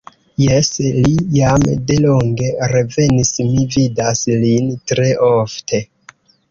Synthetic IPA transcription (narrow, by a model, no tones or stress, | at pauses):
jeslijamde̞lo̞ŋɡe̞ɾe̞ve̞nismividaslintɾe̞ʔoftʰe̞